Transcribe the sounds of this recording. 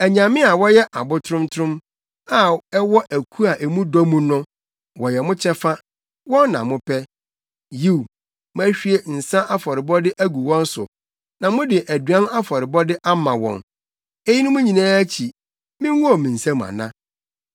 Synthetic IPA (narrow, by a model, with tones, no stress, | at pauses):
æ˨ɲã˨mɪ̃˦a˨wɔ˦jɛ˦ʔa˨bʊ˦tʰʊ˦ɾʊ̃˦mtʰʊ˦ɾʊ̃˦m | a˨ɛ˦wɔ˦ʔæ˨kʰu˦a˨ʔe˨mũ˦dɔ˦mũ˦nʊ̃˦ | wɔ˨jɛ˨mʊ̃˦t͡ɕʰɛ˦fa˦ | wɔ̃˦nːã̰˨mʊ̃˦pʰɛ˦ | ji˦˨w | mʊ̃˦æ˦ɕᶣi˦e˦n̩˨sã˦ʔa˦fɔ˨ɾɪ˨bɔ˦dɪ˦ʔæ˦ɡu˨wɔ̃˦n̩˦sʊ˨ | nã˨mʊ̃˦dɪ˨ʔæ˨dɥã˦na˦fɔ˨ɾɪ˨bɔ˦dɪ˦ʔa˦mã˨wɔ̰̃˨n | e˦ji˦nʊ̃˦mũ˦ɲĩ˨nãː˦æ˦t͡ɕʰi˨ | mɪ̃˦wɔ˦˨mĩ˨n̩˨sã˦m̃˨a̰˨nã̰˦